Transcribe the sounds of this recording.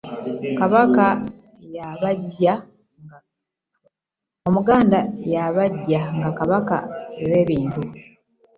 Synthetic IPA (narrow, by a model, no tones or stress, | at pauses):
kaβaka | jaβaɟːa | omuɡaːndajaβaɟːaŋɡakaβaka̰eβe̞ːβiːntu